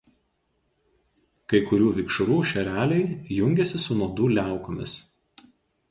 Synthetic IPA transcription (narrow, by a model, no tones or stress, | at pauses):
kɐɪkʊɾʲuːʋʲɪkʃʊɾuːʃʲɛɾʲæːlʲɛɪjʊŋʲɡʲɛsʲɪsʊnuɔd̪uːlʲæˑʊkomʲɪ̰s